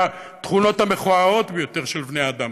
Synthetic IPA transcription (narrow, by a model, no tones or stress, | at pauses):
t̪χuno̞thame̞χoao̞t̪bejo̞te̞ʁʃelbneaːd̪am